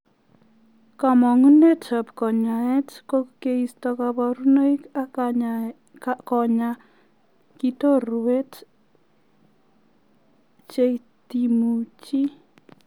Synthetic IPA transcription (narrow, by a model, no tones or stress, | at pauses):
kamɔŋunetʰəpkɔɲaɛtkokeistɔkapɔɾunəjka | kɔɲa | kitorwet | t͡ʃe | timut͡ʃi